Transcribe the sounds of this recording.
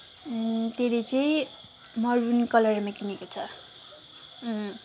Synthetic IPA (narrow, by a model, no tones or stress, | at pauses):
t̪eɾit͡sʌĩ | mʌrbunkʌlʌɾmakinekot͡sʰʌ